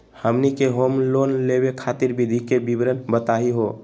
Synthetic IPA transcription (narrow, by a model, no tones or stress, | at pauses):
həmnikeɦomlonleβekʰat̪iɾbʱid̪ʱikebibɾənbət̪aɦiɦo